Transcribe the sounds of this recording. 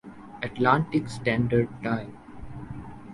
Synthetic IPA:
əʈlãːɳʈɪksʈɛ̃ːɳɖəɾɖ̚ʈãɪ̃m

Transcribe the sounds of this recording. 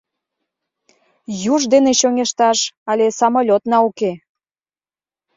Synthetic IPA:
juʒd̪eneɕoŋeʃt̪ɑʃɑlʲesɑmolʲot̪nɑuke

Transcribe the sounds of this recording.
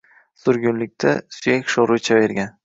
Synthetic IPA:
sʊɾɡʲʊnlɪk̚ʲt̪ʰa̰sʊjakʲʃoɾʊjt͡ʃʰaveɾɡʲan

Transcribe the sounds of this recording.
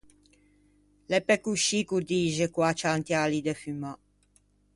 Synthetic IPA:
lɛpɛkuʃikuɾd̪iːʒɛkwat͡ʃant̪jalid̪ɛfyma

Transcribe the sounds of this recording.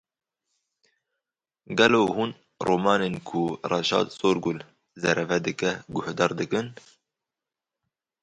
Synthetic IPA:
ɡɛloːhuːn | roːmɑːneːnkʰurɑʃɑ̰ːd̪soːɾɡul | zɛɾʔɛvɛd̪ɨkɛɡʊhd̪ɑːɾd̪ɨkɨn

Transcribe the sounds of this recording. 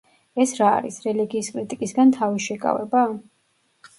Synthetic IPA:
ɛsɾa̰ːɾḭsɾɛliɡiːskʼɾit̪ʼikʼisɡant̪ʰaviʃɛkʼa̰vɛ̰ba

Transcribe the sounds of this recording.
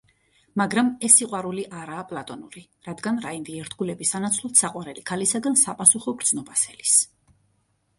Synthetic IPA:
maɡɾamɛsːiqʼwaɾuliʔaɾaːpʼlˠat̪ʼɔnuɾi | ɾad̪ɡanɾaind̪iɛɾt̪ʰɡulɛbisanat̪sʰlˠɔt̪ʰsaqʼwaɾɛlikʰalisaɡansapʼasuχɔɡɾd̪z̥nɔbasɛlis

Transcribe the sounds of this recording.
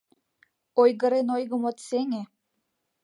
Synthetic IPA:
ojɣə̆ɾenojɣə̆mot̪seŋe

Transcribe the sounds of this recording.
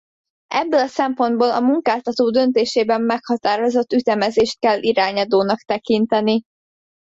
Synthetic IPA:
ʔɛbːølɒsɛmpo̞nd̪boːlɒmuŋkaːlt̪ɒt̪oːd̪ø̞nt̪eːʃeːbɛmːɛkhɒt̪aːɾo̞zo̞t̪ːyt̪ɛmɛzeːʃt̪̚kɛlːʔiɾaːɲɒd̪oːnɒkt̪ɛkint̪ɛni

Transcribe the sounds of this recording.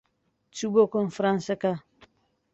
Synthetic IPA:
tubokɔnfɾãnsɛka

